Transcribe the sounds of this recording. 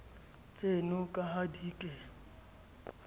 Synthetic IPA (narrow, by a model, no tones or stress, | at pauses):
t͡sʼenɔkʼaɦadiːkʼɛ